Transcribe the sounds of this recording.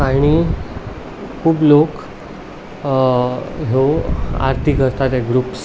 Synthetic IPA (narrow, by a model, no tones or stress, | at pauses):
aɽ̃i | kʰuːblok | ɦoa̰ɾt̪ʰikəɾt̪at̪ɛɡɾuːps